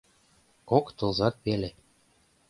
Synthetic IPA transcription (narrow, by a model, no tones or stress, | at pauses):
kokt̪ɤ̆lzɑt̪βele